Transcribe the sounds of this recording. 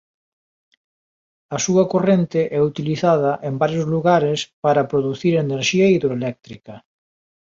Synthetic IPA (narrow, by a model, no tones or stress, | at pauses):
ɐsuɐkorent̪ɪʔɛut̪iliθað̞ɐʔembaɾjozluɣaɾespaɾɐpɾoðuθiɾeneɾʃiɐiðɾoelɛk̚t̪ɾikɐ